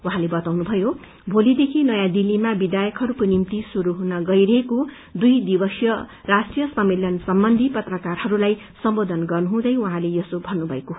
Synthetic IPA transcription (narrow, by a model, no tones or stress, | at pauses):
uɦãlebʌt̪awnubʱʌjo | bʱolid̪ekʰinʌjãd̪ilːimabid̪ajʌkɦʌɾukonimt̪isuɾuɦunʌɡʌjɾʌɦeko | d̪ujd̪ibʌsjʌrasʈrijʌsʌmːeljʌnsʌmbʌnd̪ʱipʌt̪rʌkarhʌɾulaj | sʌmbod̪ʱʌnɡʌrnuɦũd̪ʌjwuɦãlejʌsobʱʌnnːubʱʌeko